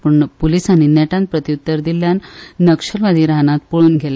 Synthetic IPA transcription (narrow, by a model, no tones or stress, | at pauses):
pəɳpulisaninɛʈãnt̪̚pɾət̪ijut̪ːəɾd̪ilːjanːəkʂəɾʋad̪ʱiːɾanãt̪̚poɭuːnɡʱel